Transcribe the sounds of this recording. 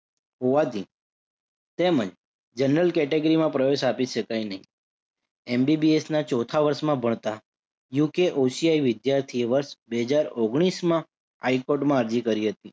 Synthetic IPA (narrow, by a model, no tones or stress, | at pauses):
ɦoʋat̪ʰi | t̪emə̃d͡ʒ | d͡ʒənɾəlkɛʈeɡɾimãpɾəʋeʃapiʃəkajnəɦĩ | embibiesnat͡ʃɔt̪ʰaʋəɾsmãbʱəɳ̃t̪a | jukeʔosiajʋɪd̪jaɾt̪ʰieʋəɾʃbeɦəd͡ʒaɾoɡɽ̃ismã | aikoʈmãəɾd͡ʒikəɾiɦət̪i